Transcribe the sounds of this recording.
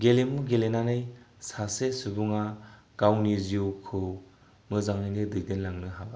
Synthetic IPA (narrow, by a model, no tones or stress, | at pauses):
ɡelemuɡelenanɯj | sasesubuŋa | ɡ̥awniziuwkʰɯw | mɯzaŋɯjnɯdɯdinlaŋnɯɦaba